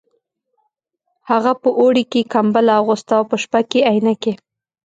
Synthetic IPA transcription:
haɣapəʔoɽikekambalaaɣost̪aawpəʃpakeajnake

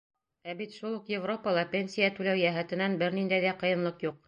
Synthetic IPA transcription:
æbit̪ʃulˠuqjevro̞pɑlˠɑpʲenʲsʲijæt̪ʉlæwjæɦæt̪ɘ̆nænbɘɾnind̪æjðæqɤ̆jɤ̆nlˠɤqjuq̚

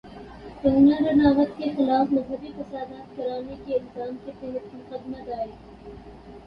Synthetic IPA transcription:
t̪ɐːnaɾɐnaːʋət̪kexɪlaːfmɐzɦəbikɐsaːd̪aːt̪̚kɐɾaːnekeɪlzaːmket̪ɐɦət̪mʊqəd̪mad̪aːe

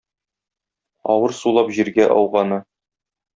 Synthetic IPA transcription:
ɒ̰wɤɾsulˠɑpʑiɾɡæʔɒ̰wʁɑnɤ

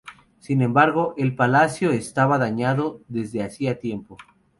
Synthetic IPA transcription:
sinẽ̞mbaɾɣo̞ʔelpalasjo̞est̪aβaðaɲaðo̞ðe̞zðe̞asiat̪je̞mpo̞

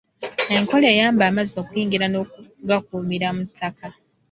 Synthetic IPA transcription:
e̞ŋko̞le̞ːjaːmbaːmazo̞ːkujiːŋɡiɾano̞ɡak̚uːmiɾamutʰːakʰa

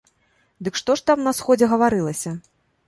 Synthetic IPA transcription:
d̪ɨkʂt̪ɔʂt̪amnɐsxɔd͡zʲɛɣɐvaɾɨlˠɐsʲɐ

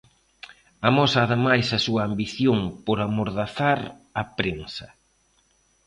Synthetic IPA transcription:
amɔsaːðɪmajsɐsuɐːmbiθjoŋpoɾamoɾðaθaɾ | ɐpɾensɐ

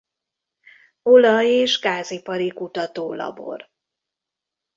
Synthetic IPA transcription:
olɒjeːʒɡaːzipɒɾikut̪ɒt̪oːlɒ̰bo̞̰r

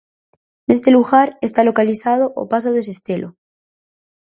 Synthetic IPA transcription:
ne̞st̪e̞luɣaɾe̞st̪alo̞kaliθað̞oʔo̰pas̬oðe̞se̞st̪elʔo

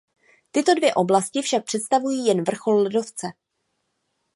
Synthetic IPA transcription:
t̪ɪt̪o̞dvjɛʔo̞blascɪfʃak̚pr̥ɛt̪st̪avujiːjɛnvr̩xo̞lːlɛdo̞ft͡sɛ

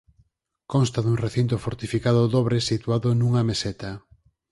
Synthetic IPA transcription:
konst̪aðuŋreθint̪ofoɾt̪ifikaðʊðɔβɾesit̪uaðʊnuŋɐmesɛt̪a

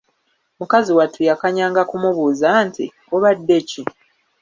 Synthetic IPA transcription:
mukaziwatʰujakaɲaːŋɡakumuβuːzantḭ | oβadːe̞ci

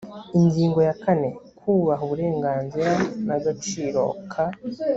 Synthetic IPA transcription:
iɲɡiːŋɡo̞jakane̞kʰuːβaɦuβuɾe̞ːŋɡaːnziɾanaɡot͡ʃiːɾo̞̰kʰa

